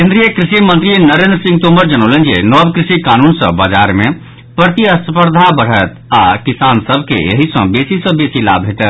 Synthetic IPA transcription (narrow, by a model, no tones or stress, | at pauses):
kẽnd̪ɾijəkɾisimə̃nt̪ɾinəɾend̪ɾəsĩŋɡt̪oməɾd͡ʒənəwlend͡ʒḭnɔbkɾisikanunsə̰̃bad͡ʒaɾme | pɾəɾt̪iəspəɾd̪ʱabəɽ̤ət̪akisansəbʱkḛḛɦisə̰̃besisə̃besila̰bʱeʈɛt̪